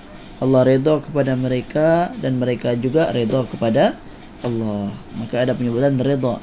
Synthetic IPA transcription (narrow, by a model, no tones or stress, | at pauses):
ʔɑlːɑhɾed̪ɔkəpadaməɾekadanməɾekad͡ʒuɡaɾed̪ɔkəpada | ʔɑlːɑhmakaːdapəɲəbut̪anɾed̪ɔ